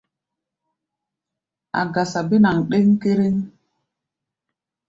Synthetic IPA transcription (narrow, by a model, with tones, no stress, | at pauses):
a̰˨ɡa˨sa˨be˦na˨ŋɗe˦ŋ˦ke˦ɾe˦ŋ